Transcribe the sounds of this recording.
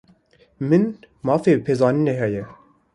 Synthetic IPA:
mɨn | mɑːfeːpʰeːzɑːnɨneːɦɛjɛ

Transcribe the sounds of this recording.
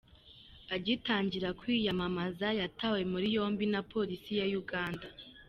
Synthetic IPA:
aɟitaːɲɟiɾakwijamamazajatawe̞muɾijo̞ːmbinapo̞ɾisijajuɡaːnda

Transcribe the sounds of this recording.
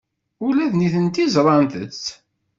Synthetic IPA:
ʊlæðniθənt̪izɾˤɑnt̪ə̰t͡sː

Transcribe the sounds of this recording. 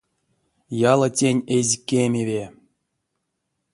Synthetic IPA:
jɑlˠətʲenʲezʲkʲemʲevʲe

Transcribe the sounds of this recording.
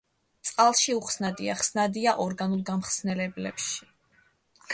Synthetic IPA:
t̪sʼqʼalˠʃiuχsnad̪iaχsnad̪iaʔɔɾɡanulˠɡamχsnɛlɛblɛ̰pʃi̥

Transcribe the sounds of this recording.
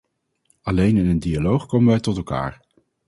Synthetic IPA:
ɑlejnɪnəndialowχkowmənʋɛjtɔtɛlˠka̰ːɹ

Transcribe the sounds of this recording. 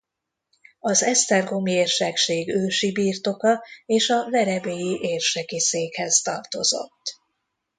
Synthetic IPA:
ɒzɛst̪ɛrɡo̞mieːrʃɛkʃeːɡøːʃibiːrt̪o̞kɒeːʃɒvɛɾɛbejiʔeːrʃɛkiseːkhɛzt̪ɒrt̪o̞zo̞̰t̪ː

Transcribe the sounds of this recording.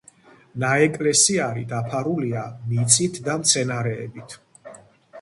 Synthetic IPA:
naɛkʼlɛsiaɾḭd̪apʰaɾuliamit̪sʼit̪ʰd̪amt̪sʰɛnaɾɛ̰ːbit̪ʰ

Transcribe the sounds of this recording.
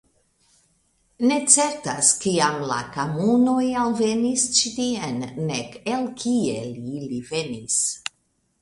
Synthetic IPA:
ne̞t͡se̞ɾtaskiamla̰kamunojalve̞nist͡ʃitienːekelkʰielilive̞nis

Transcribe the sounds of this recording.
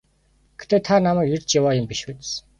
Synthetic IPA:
ɡ̥et̪eːt̪ʰanamæːkirʲt͡ɕjawaːjʊmpiʃut͡ɕs

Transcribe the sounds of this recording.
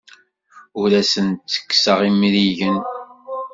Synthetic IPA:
ʊɾæsənt̪ːə̥kːsəʁimɾiʝən

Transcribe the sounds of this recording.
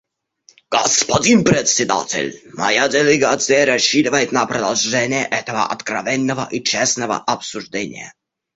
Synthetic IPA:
ɡ̥ɔspɔd̪ʲinpɾɛt̪sʲɛd̪a̰t̪ɛ̰lʲmɔ̰jad̪ɛlɛɡat̪sʲjɛɾɔɕid̪vajt̪napɾɔd̪alʐɛnɛʔɛt̪ɛvɔ̰ʔɔt̪kɾavʲɛnʲːɛvɔ̰ʔit͡ʂɛsnɛvɔ̰ʔapsuʐd̪ʲɛɲʲɛ̰

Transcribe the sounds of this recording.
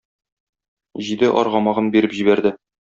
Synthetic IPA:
ʑid̪ɘʔɒɾʁɒmɑʁɤnbiɾɘpʑibæɾd̪ɘ

